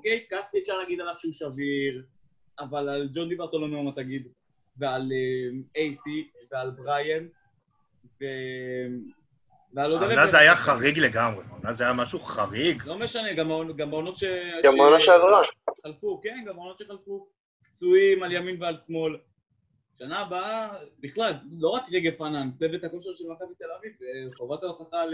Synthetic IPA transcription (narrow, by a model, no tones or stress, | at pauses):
okejt̪̚kaspiefʃaʁlaɡid̪alavʃeuʃaviʁ | avalald͡ʒo̞nd̪ibaʁt̪olomeomat̪aɡid̪ | vealemejsivealbʁajant̪ | vem | vealod̪elenazajaχaʁiɡleɡamʁeonazajamaʃuχaʁiɡlo̞meʃaneɡamaonɡamaono̞t̪ʃeaamanaʃeavʁaχalfuke̞nɡamaonotʃeχalfu | kt͡suimaljaminvealsmo̞l | ʃanaːbaabiχlallo̞ʁakʁeɡefanant͡sevet̪hako̞ʃeʁʃelmakavit̪e̞laviveχovat̪aoχaχal